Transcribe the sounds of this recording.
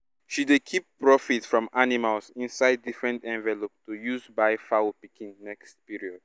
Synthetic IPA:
ʃidekʰippːɹɔfitfɹɔ̃manimalsĩnsaɪdːifɹɛ̃ntɛ̃ɱvɛlop̚tujuzbaɪfaopikʰĩnnɛkstpiɹiɔd̥̚

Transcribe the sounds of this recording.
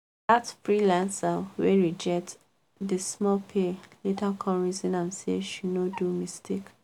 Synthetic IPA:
datfɹilãnsaweɹid͡ʒɛk̚t | dismɔlpʰelitakʰɔ̃nɹizĩnãmsḛʃunodumistek

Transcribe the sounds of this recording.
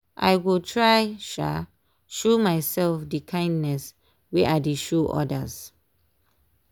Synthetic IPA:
ʔa̰jwiltʰɹajʃa̰ | ʃomajsɛlfdikʰãj̃ndnɛs | wɛʔadiʃuʔɔ̰də̰s

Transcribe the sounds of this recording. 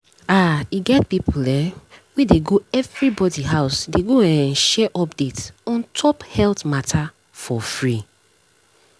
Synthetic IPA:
aiɡɛt̚pipulɛwideɡoɛvɹibɔdiɦaʊsdeɡoãnʃɛʔɔpdetsɔ̃ntʰɔphɛltmatʰa | fɔfɹi

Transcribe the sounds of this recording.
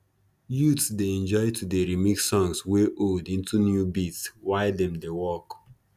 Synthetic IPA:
jutsdeɛ̃nd͡ʒɔɪtʰudeɹimikssɔ̃ŋsweʔoldĩntʰunjubitswaɪdɛ̃mdewɔk

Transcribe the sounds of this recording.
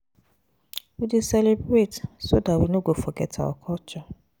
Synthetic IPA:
widisɛlebɾetsodatwinoɡofɔɡɛtʰa̰ɔ̰kʰɔt͡ʃɔ

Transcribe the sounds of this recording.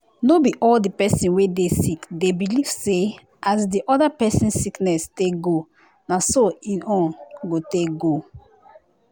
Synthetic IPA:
nobiʔɔldipɛsĩnwedesikdebiliv̥se | ʔazdiʔɔdapɛsĩnsiknɛsteɡo | nasoĩnɔ̃nɡoteɡo

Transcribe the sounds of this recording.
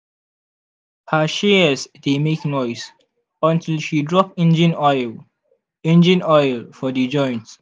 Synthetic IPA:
haʃeəsdemeknɔɪs | ɔ̃ntɪlʃidɹɔpɪ̃nd͡ʒə̃nɔl | ɛ̃nd͡ʒə̃nɔjɪlfɔdid͡ʒɔ̃ɪ̃nt

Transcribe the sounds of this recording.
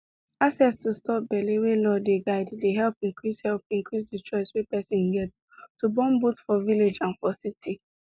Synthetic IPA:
aksɛstustɔp̚bɛlewelɔdeɡaɪddeɦɛlpĩŋkɹishɛlp̚ĩŋkɹisdit͡ʃɔɪswepɛsɪ̃nɡɛts | tubɔ̃mbutfɔviled͡ʒãnfɔsiti

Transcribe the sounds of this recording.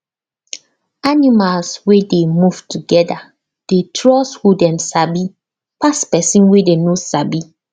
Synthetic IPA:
animalswedemuv̥tuɡɛda | d̥etʰɹɔshudɛ̃msabi | paspɛsĩnwedenosabi

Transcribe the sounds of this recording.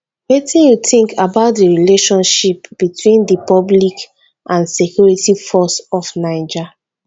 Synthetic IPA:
wɛtĩnjutĩŋkʰabaʊt̚diɹileʃɔ̃nʃipb̥itwĩndəpɔblik | ʔãnsekʰjuɹitifɔsɔfnaɪd͡ʒa

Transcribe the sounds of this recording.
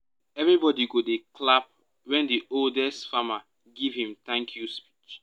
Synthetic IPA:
ɛvɹibɔdiɡodeklap̚ | wɛ̃ndioldɛstfama | ɡiv̥hĩmtãŋkʰjuspi̥t͡ʃ

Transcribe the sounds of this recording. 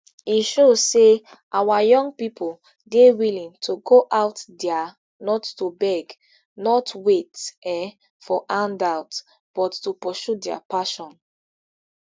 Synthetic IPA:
iʃozse | ʔawajɔ̃ŋɡpipʰɔl | dewilĩŋtʰuɡoʔaʊtdɛa | nɔtːubɛɡ | nɔtwetɛ | fɔʔãndaʊt | b̥ɔtːupɔʃudɛa̰paʃɔ̃n

